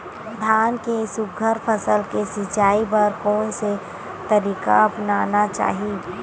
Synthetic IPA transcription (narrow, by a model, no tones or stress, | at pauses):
d̪ʱaːnkesʊɡʱəɾpʰəsəlkesɪt͡ʃaːipɐɾkoːnse | t̪əɾiːka̰ɐpnaːnat͡ʃa̰ːɦi